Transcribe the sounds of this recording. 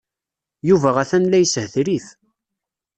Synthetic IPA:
juvæʁæθænlæjəshθɾiθ

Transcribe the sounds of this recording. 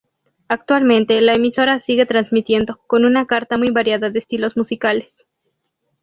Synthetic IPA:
ak̚t̪walmẽ̞nt̪e̞laemiso̞ɾasiɣe̞t̪ɾanzmit̪je̞nd̪o̞ko̞nunakaɾt̪amujβaɾjaðaðeːst̪ilo̞zmusikale̞̥s

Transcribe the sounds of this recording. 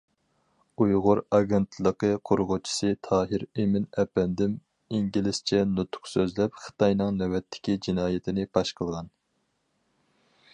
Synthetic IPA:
ujʁʊɾɑɡʲent̪ʰlˠəqəqʰoɾʁʊt͡ʃʰi̥sɨt̪ʰɑːɦɪɾemɪnɛpɛnd̪ɪm | iŋɡʲilɪst͡ʃʰɛnut̪ʰʊ̥qsøzlɛpχə̥t̪ʰɑjnɨŋnɛwɛt̪ʰːɪ̥kʲid͡ʒinɑːjɪt̪ʰɪnɪbɑʃqʰəlˠʁɑn

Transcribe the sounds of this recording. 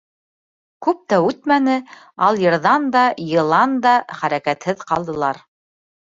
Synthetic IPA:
kʉp̚t̪æʉt̪mænɘ | ɑlˠjɤ̆ɾðɑnd̪ɑjɤ̆lˠɑnd̪ɑχæɾækæt̪hɘðqɑlˠd̪ɤ̆lˠɑɾ

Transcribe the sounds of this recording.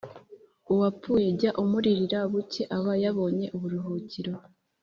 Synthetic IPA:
uwapuːje̞ɟaʔumuɾiɾiɾaβuce̞ʔaβajaβo̞ːɲe̞ʔuβuɾuɦuːciɾo̞

